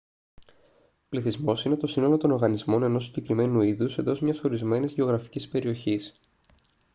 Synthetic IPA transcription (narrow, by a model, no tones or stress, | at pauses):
pliθizmo̞sine̞t̪o̞sinolo̞t̪o̞no̞ɾɣɐnizmo̞ne̞no̞siɟe̞kɾime̞nuiðuse̞nd̪o̞zmɲɐso̞ɾizme̞nizʝeo̞ɣɾɐfi̥cispe̞ɾio̞çis